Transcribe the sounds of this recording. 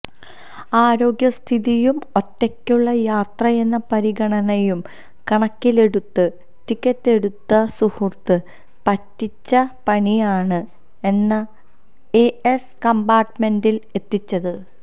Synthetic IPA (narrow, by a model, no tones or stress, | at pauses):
aːɾo̞ːɡjɐst̪ʰiðijumo̞tːekʲːuɭːɐjaːt̪rɐe̞nːɐpɐɾiɡɐɳɐnejum | kɐɳɐkʲːile̞ɽut̪ːɨ | tikʲːɐtːe̞ɽut̪ːɐsuhurt̪ɨ | pɐtːit͡ɕːɐpɐɳijaːɳɨ | e̞nːɐ | eeskɐmbaːʈːme̞ndile̞t̪ːit͡ɕːɐðɨ